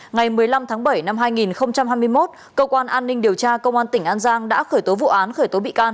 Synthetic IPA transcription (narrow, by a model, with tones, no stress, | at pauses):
ŋa˨˩jmɨ˨˩əjla˧mt̪ʰaː˨˦ŋɓə˧˩jna˧mɦaː˧jŋi˨˩nxə˧wŋ͡mt͡ɕa˧mɦaː˧jmɨ˧əjmo˦˥t̚ | kəː˧wkwaː˧nʔaː˧nːï˧ŋ̟ɗi˨˩əwt͡ɕaː˧kə˧wŋ͡mʔaː˧nt̪ï˩ŋ̟ʔaː˧nzaː˧ŋɗa̰ː˧˥xəː˧˩jt̪o˨˦vṵ˧˨ʔaː˨˦nxəː˧˩jt̪o˨˦ɓḭ˧˨kaː˧n